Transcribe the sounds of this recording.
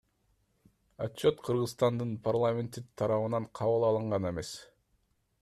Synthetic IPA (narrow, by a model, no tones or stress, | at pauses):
at͡ʃːo̞t̪qʰɯɾʁɯzst̪ɑnd̪ɯnpʰarlˠamʲe̞nt̪it̪ʰɑɾɑβɯnɑɴqʰɑβɯlˠɑlˠɯɴʁɑne̞me̞s